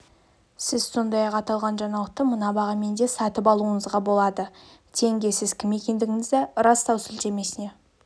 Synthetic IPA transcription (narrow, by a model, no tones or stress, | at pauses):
sɪzso̞nd̪ɑjɑqɑt̪ɑlˠʁɑnʒɑɴɑlˠəq̚t̪əmənɑbɑʁɑme̞nd̪e̞sɑt̪əpɑlˠuəɴəzʁɑbo̞lˠɑd̪ə | t̪ʰe̞ŋɡʲe̞sɪzkʲʰɪme̞kʲe̞nd̪ɪɡʲɪŋɪzd̪eɾɑst̪ɑwsɪlt̪e̞me̞sɪne̞